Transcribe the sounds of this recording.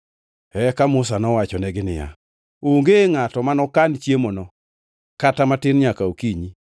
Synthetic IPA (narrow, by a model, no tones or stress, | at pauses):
ɛkamʊsanɔwat͡ʃɔnɛɡɪnɪ̰ja̰ | oŋɡeŋatɔmanɔkant͡ʃjemonɔ | katamatɪnɲakaokiɲi